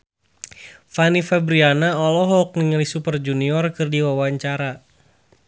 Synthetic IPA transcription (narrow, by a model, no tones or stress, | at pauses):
fanifɛbɾianaɔlɔɦɔk̚niŋəlisupərd͡ʒuniɔrkɨrdiwawaɲt͡ʃaɾa